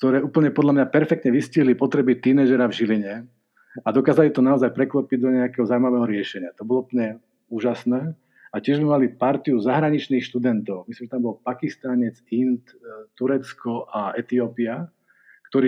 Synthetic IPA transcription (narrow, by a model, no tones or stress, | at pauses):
k̚t̪ɔɾɛːʔuːpl̩ɲɛpɔd̪ʎamɲapɛɾfɛkt̪ɲɛʋisciɦlipɔt̪ɾɛbit̪iːnɛʒɛɾavʒiliɲɛ | ad̪ɔkaːzalit̪ɔnaɔzajpɾɛklɔpiɟ̚d̪ɔɲɛakɛɦɔzawimaʋɛːɦɔɾɪɛʃɛɲɪat̪ɔbɔlɔup̩ɲɛ | uːʒasnɛː | acɪɛʒmɛmalipaɾt̪iuzaɦɾaɲit͡ʃniːxʃt̪ud̪ɛnt̪ɔʊmislimʒɛt̪ambɔlpakist̪aɲɛd͡zint̪t̪uɾɛt͡skɔʔaɛt̪iɔːpia | kt̪ɔɾiː